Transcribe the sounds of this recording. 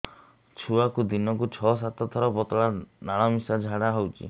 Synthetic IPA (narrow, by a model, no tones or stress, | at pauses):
t͡ʃʰuakud̪inɔkut͡ʃʰɔs̬at̪ɔt̪ʰɔɾɔpɔt̪ɔɭanaɭ̃ɔmisad͡ʒʱaɽaɦɔwt͡ʃʰḭ